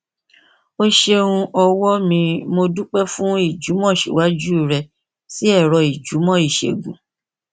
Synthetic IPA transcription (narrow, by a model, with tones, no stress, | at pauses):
o˦ʃe˦ɾũ˧ʔɔ˧wɔ˦mĩ˧mo˧du˦k͡pɛ˦fũ˦i˦˨d͡ʒu˨˦mɔ̃˦˨ʃḭ˨wa˨˦d͡ʒu˦˨ɾɛ˧ | si˦ɛ˦˨ɾɔ˧i˨d͡ʒu˨˦mɔ̃˦i˦˨ʃḛ˨ɡṵ̃˨